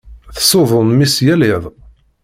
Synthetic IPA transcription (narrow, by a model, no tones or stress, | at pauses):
θsoðˤʊnmisjælɪðˤ